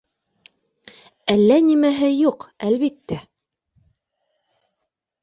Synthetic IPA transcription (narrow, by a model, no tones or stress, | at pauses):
ælːænimæɦɘjuqælβit̪ːæ